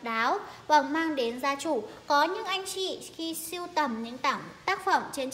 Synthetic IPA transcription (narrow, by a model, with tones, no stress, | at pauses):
ɗaː˨˦wva˨˩ŋ͡mmaː˧ŋɗe˨˦nzaː˧t͡ɕu˧˩kɔ˨˦ɲɨ̰˧˥ŋʔa˧jŋ̟t͡ɕḭ˧˨xi˧si˧əwt̪ə˧˩mɲɨ̰˧˥ŋt̪aː˧˩ŋt̪aː˦˥k̚fə˧˩ŋ͡mt͡ɕe˧n